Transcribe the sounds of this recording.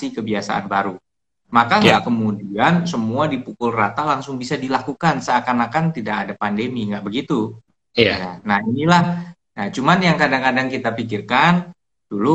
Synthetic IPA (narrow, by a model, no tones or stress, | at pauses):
ikəbiasa̰ʔa̰nbaɾu | makaŋɡakəmudiansəmuadipukʊlrat̪alaŋsʊŋbisadilakukansəakanakant̪idakadapandemiŋɡaʔbəɡit̪u | janahinilah | nat͡ʃumanjaŋkadaŋkadaŋkit̪apikirkan | d̥ulu